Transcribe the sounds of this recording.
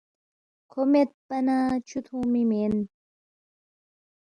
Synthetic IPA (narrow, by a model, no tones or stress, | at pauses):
kʰomet̪̚pɐnaːt͡ɕʰut̪ʰũːmimen